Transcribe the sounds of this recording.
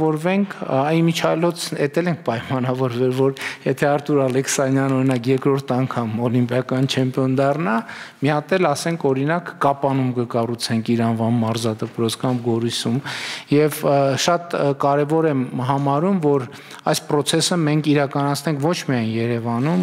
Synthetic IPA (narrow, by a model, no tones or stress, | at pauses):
ɔɾvɛŋkʰimit͡ʃʰɑlɔt͡sʰɛt̪ɛlɛŋkʰpɑjmɑnɑvɔɾvɛlvɔɾjɛt̪ʰɛɑɾt̪ʰuɾɑlɛkʰsɑnjɑnɔɾinɑkjɛɾkɾɔɾt̪ʰɑŋkʰɑmɔlimpjɑkɑnt͡ʃʰɛmpiɔnd̪ɑrnɑmiɑt̪ɛlɑsɛŋkʰɔɾinɑkːɑpɑnumkəkɑrut͡sʰɛŋkʰiɾɑnvɑnːɑɾzɑt̪əpɾɔt͡sʰkɑmɡɔɾusumjɛvʃɑt̪kɑɾɛvɔɾɛmɦɑmɑɾumvɔɾ | ɑjspɾɔt͡sʰɛsəmɛŋkʰiɾɑkɑnɑt͡sʰnɛŋkʰvɔt͡ʃʰmiɑjnjɛɾɛvɑnum